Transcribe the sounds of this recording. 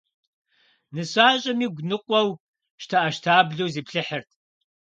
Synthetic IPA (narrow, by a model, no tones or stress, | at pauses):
nɨɕaːɕʼɐmiːɡʷnɨqʷʼɔw | ʃtʰɐʔɐʃtʰaːbɮowziːpɬɨħərtʰ